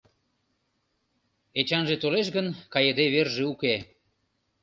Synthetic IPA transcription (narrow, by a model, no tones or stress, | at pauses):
et͡ɕɑnʒet̪oleʃ̬ɣənkɑjed̪eβerʒeuke